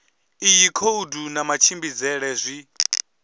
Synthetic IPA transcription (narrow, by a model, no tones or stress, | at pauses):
ijikʰoudunamat͡ʃʰimbid͡zɛɺɛzʷi